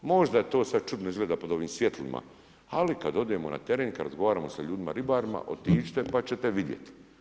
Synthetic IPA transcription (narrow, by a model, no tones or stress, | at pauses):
mo̞ʒd̪at̪o̞ːsad̪̚t͡ʃud̪noizɡleːd̪apod̪o̞ʋiːmsʋjet̪lḭmʔa̰ | alikad̪o̞d̪iemona̰t̪e̞ɾeːnkad̪ɾazɡo̞ʋaːɾaːmosaʎuːd̪imaɾibaːɾima̰ʔo̰t̪iːt͡ʃt̪epat͡ɕet̪eʋid̪jet̪